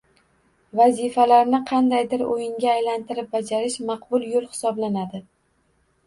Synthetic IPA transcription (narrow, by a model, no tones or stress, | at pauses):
vazifalaɾnɪqʰɑnd̪ajd̪ɪɾojɪŋɡʲaːjlant̪ʰɪɾɪp̚bad͡ʒaɾɪʃmɑqbʊlˠjolˠhɪ̥sɒblanad̪ɪ